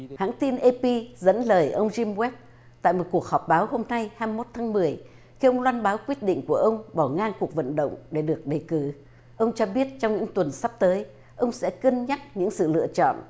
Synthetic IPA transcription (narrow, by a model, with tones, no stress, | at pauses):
ha̰ː˧˥ŋt̪i˧nʔe˧pi˧zə̰˧˥nləː˨˩jʔə˧wŋ͡mzi˧mwɛ˦˥p̚ | t̪a̰ː˧˨jmo˨˩t̚ku˨˩ək̚hɔ˨˩p̚ɓaː˨˦wɦo˧mna˧jhaː˧m˧mo˦˥t̚t̪ʰaː˨˦ŋmɨ˨˩əj | xi˧ʔə˧wŋ͡mlwaː˧nɓaː˨˦wkwi˦˥ət̚ɗḭ̈˧˨ŋ̟ku˧˩əʔə˧wŋ͡mɓɔ˧˩ŋaː˧ŋku˨˩ək̚və̰˧˨nɗə̰˧˨wŋ͡mɗe˧˩ɗɨ˨˩ək̚ɗə˨˩jkɨ˨˩˦ | ʔə˧wŋ͡mt͡ɕɔ˧ɓi˦˥ət̚t͡ɕɔ˧wŋ͡mɲɨ̰˧˥ŋt̪wə˨˩nsa˦˥p̚t̪əː˨˦j | ʔə˧wŋ͡msɛ̰˧˥kə˧nɲa˦˥t̚ɲɨ̰˧˥ŋsɨ̰˧˨lɨ̰˧ət͡ɕɔ̰˧˨nʔ